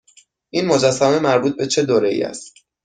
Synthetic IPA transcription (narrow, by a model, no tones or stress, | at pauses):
ʔinmod͡ʒæsːæme̞mæɾbuːt̪̚be̞t͡ʃʰe̞d̪oːɾeḭæ̰st̪